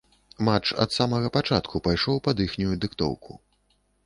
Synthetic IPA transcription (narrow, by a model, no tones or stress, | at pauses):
mat͡ʂɐ̰t̪samɐɣɐpat͡ʂat̪kʰupajʂɔwpɐd̪ixnʲujud̪ɨkt̪ɔ̰wkʰṵ